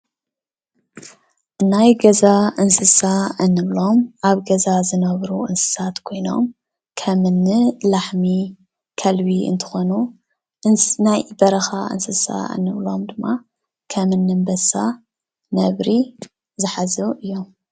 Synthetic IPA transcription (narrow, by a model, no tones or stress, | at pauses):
najɡɐzaɨnsɨsaɨnːɨβlo̞mʔaβɡɐzazɨnɐβɾuʔɨnsɨ̥sat̪kʰo̞jno̞̰m | kʰɐmɨnːɨlaħmi | kʰɐlbiɨ̰nt̪ʰɨ̥xo̞nu | najbɐɾɐxaʔɨ̰nsɨsa̰ɨ̰nːɨβlo̞md̪ɨmːa | kʰɐmɨnːɨmbɐsa | nɐβɾi | zɨħazɨʔɨjːom